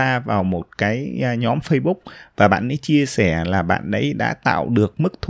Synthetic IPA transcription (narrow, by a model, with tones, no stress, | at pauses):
aː˧vaː˨˩wmo˨˩t̚kaː˨˦jɲɔ˨˦mfə˧jɓʊ˦˥k͡p̚vaː˨˩ɓa̰ː˧˨nʔə̰˧˦jt͡ɕi˧əsɛ˧˩laː˨˩ɓa̰ː˧˨nʔə̰˨˦jɗa̰ː˧˥t̪a̰ː˧˨wɗɨ˨˩ək̚mɨ˦˥k̚t̪ʰ